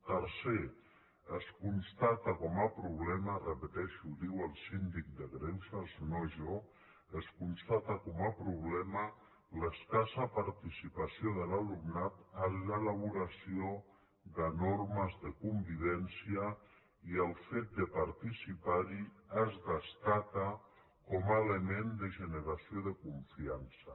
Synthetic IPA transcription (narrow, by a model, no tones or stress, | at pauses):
t̪əɾse | əskunst̪at̪akɔmapɾuβ̞lɛmarəpət̪ɛʃud̪iwəlˠsind̪ik̚d̪əɣɾɛwsaznoʒo | əskunst̪at̪akɔmapɾuβ̞lɛmə | ləskasapaɾt̪isipasioðəlalumnat̪azləlaβuɾasio | ðənoɾməzðəkumbiβɛnsia | iəlˠfet̪̚d̪əpaɾt̪isipaɾiazdəst̪aka | kɔmaelemend̪əʒənəɾasijoðəkuɱfiansa